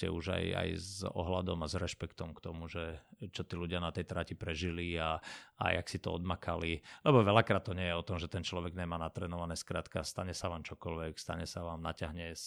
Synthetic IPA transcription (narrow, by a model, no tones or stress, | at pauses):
cɛ̰uʒa̰ja̰jzɔ̰ɦlad̪ɔmazɾɛʃpɛkt̪ɔmkt̪ɔmuʒɛt͡ʃɔt̪iːluɟɪanat̪ɛjt̪ɾacipɾɛʒiliaa̰ja̰ksit̪ɔɔd̪makalilɛbɔʋɛlakɾaːt̪ːɔɲɪɛjɛɔt̪ɔmʒɛt̪ɛnt͡ʃlɔʋɛɡɲɛmaːnat̪ɾɛːnɔʋanɛskɾaːt̪kast̪aɲɛsaʋaːmt͡ʃɔkɔlʋɛkst̪aɲɛsaʋaːmnacaɦɲɛs